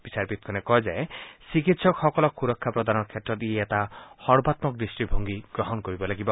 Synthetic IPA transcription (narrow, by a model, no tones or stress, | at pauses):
b̥isaɾpit̪kʰɔnekɔɦed͡ʒaesikit̪sɔkxɔkɔlɔkkuɾɔkʰːapɾɔd̪anɔɾkʰet̪ɾɔd̪ieet̪ahɔɾbat̪mɔk̚d̪isʈibʱoŋɡiɡ̥ɾɔɦɔnkoɾibɔlaɡibɔ